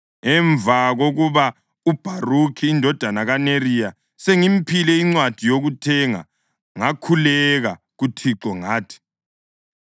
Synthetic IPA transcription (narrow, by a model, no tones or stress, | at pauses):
ŋɛɱvʱaɣoɣuβa | ub̥ʱarukʰiːndʱɔd̥ʱanaɣanerija | seŋim̩pʰilɛiŋ͡ǀwad̥ʱijoɣutʰɛŋa̰ | ŋakʰulɛɣa | ɣutʰiǁɔŋaːtʰi̥